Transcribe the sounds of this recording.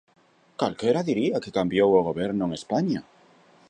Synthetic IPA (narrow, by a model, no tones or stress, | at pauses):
kalkeɾaðiɾiakekambjowoɣ̞oβ̞eɾnoeŋespaɲa